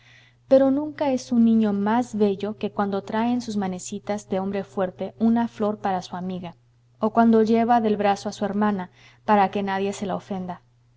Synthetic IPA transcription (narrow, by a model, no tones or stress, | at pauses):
pe̞ɾo̞nũŋkae̞sunːĩɲo̞mazβe̞ʝo̞ke̞kwand̪o̞t̪ɾaensuzmane̞sit̪azðeo̞mbɾe̞fwe̞ɾt̪eunaflo̞ɾpaɾasuamiɣa | okwand̪o̞ʝe̞βaðe̞lβɾasoasue̞ɾmãna | paɾake̞naðje̞se̞lao̞fe̞nd̪a